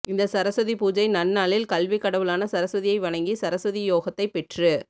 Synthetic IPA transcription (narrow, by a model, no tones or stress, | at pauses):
ɪnd̪ɐsɐɾɐsɐðipuːd͡ʒɐɪnɐnːaːlɪlkɐlʋɪkɐɽɐʋɯlaːnɐsɐɾɐsɐðɪjɐɪʋɐɳɐŋɡisɐɾɐsɐðijoːɣɐt̪ːɐɪpːɛʈrɯ